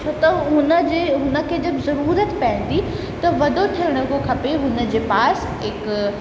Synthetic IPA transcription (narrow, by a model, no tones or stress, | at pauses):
t͡ʃʰot̪ɐɦʊnəd͡ʑeɦʊnə̆kʰeːd͡ʑɐbzɐɾuːɾət̪pɐɪ̃n̆d̪i | t̪ɐʋɐd̪ʱot̪ʰiɪɽ̃əɡokʰɐpeɦʊnə̆d͡ʑeːpaːs | ɦɪk